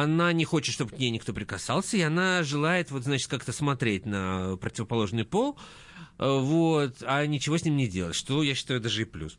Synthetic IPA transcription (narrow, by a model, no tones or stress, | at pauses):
ɐnanʲɪxo̞t͡ɕɪt̪ʂt̪obɨknʲejnʲɪkt̪o̞pɾʲɪkɐsalˠsʲəɪɐnaʐɨlˠajɪt̪vo̞t̪znat͡ɕɪt̪̚kakt̪əsmɐt̪ɾʲet̚ʲnəpɾətʲɪvəpɐlˠo̞ʐnɨjpo̞lˠ | vot̪anʲɪt͡ɕɪvo̞sʲnʲimnʲɪdʲelˠətʲʂt̪o̞jaɕːɪ̥t̪ajʊd̪aʐɨɪplʲṵs